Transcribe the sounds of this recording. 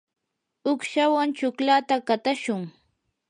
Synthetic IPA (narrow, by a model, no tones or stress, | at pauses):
ʊkʃawant͡ʃʊklat̪akat̪aʃʊŋ